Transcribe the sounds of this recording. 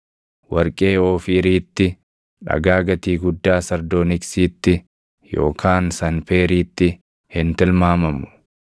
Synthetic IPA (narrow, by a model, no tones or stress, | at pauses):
wɐɾkʼe̞ːoːfiːɾiːt̪ːɪ | ᶑɐ̰ɡaːɡɐt̪iːɡʊd̪ːaːsɐɾd̪oːnɪksiːt̪ːɪ | jo̞̰ːkʰaːnsɐnpeːɾiːt̪ːɪ | hɪnt̪ɪlmaːmɐmʊ̥